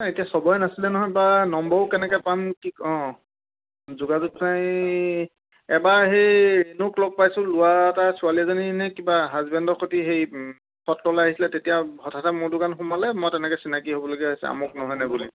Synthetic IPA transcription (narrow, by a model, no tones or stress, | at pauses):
etiasɔbɔjnasilɛnɔɦɔjbanɔmbɔkɛnɛkɛpamtʰikɔ̃ | zuɡazutnaj | ɛbaɦejenuklɔb̚pajsʊ̃lʊwatasualiazoninɛkibaɦazbɛndɔɹkʰotiɦej | pʰɔtlɔlaɦisilɛtetijaɦɔtʰatʰamʊɹdʊkanxumalɛmɔjtɛnɛkɛsinakiɦobɔloɡiaɦisɛ̰a̰mɔk̚nɔɦɔjnɛbulḭ